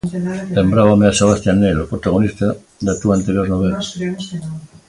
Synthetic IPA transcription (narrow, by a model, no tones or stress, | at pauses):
lembɾaβameaseβast̪janːelopɾot̪aɣonist̪a | d̪at̪uant̪eɾoznoβela